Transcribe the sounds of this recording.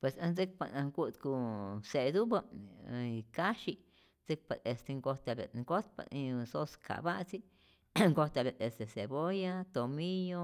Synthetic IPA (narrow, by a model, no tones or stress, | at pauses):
pwesãnd͡zik̚panãŋɡuʔt̪kuseʔd̪uba | kaʃi | nd͡zɨk̚paest̪eŋɡot̪aβḛŋɡot̪̚pa̰ĩsoskʰa̰βaʔt͡si | ŋɡot̪aβeest̪eseβojat̪omijo